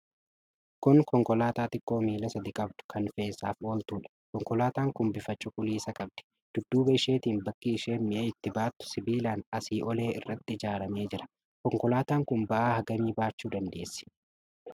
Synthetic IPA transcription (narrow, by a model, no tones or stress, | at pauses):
kʊŋkɔŋkɔlaːt̪aːt̪ɪkʼːo̞ːmiːlɐsɐd̪ɪkʼɐbd̪ʊ̥kʰɐnfe̞ːsːaːfo̞ːlt̪uːᶑɐ̥kɔŋkʼɔlaːt̪aːŋkʊmbɪfɐt͡ʃːʊkʼʊliːsɐkʼɐb̚d̪̥ɛ̥ | d̪̥ʊd̪ːuːbɐɪʃe̞ːt̪iːnbɐkʼːiːʃeːmɪʔeːɪt̪ːɪbaːt̪ːʊ̥sɪbiːlaːnɐsiːʔɔle̞ːɪrːɐt̪ːɪɪd͡ʒaːɾɐme̞ːd͡ʒɪɾɐ̥ | kɔŋkɔlaːt̪aːŋkʊnbɐʔaːhɐɡɐmiːbaːt͡ʃːuːd̪ɐnd̪e̞ːsːɪ̥